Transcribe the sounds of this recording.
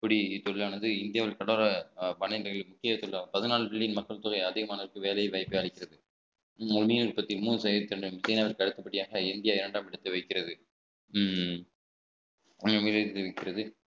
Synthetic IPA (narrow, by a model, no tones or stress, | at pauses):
ɪpːɐɽit̪ːɔɭlaːnɐd̪ɯɪnd̪ɪjaːʋɪlkɐɽoːɾɐpɐnɐnɐɣɐɭɪmʊkːɪjɐt̪ɔɭːapɐðɯnaːlpɪɭːɪjɪnmɐkːɐɭt̪ʊːɣɐɪɐðɪɣɐmaːnɐɾɯkːɯʋeːlɐjɐʋɐːɪpːɐjaːɭɪkːɪɾɐðɯ | ʊnmiːnɪɾpːɐt̪ːɪmuːnɯsɐjɐt̪ːɪɾɐɳɖɯʋɪsɐɪnaːʋɐɪɾkɐɽɯt̪ːɐpːɐʈːɪjaːɣɐɪnd̪ɪjaːɪɾɐɳɖaːmɪɽɐt̪ːɐʋɐɪkːɪɾɐðɯ | miːlɐt̪ːɐʋɐɪkːɪɾɐðɯ